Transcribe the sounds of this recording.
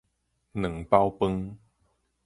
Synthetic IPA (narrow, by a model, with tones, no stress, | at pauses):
nɨ˨˩˦ŋpa˦wpə˦ŋ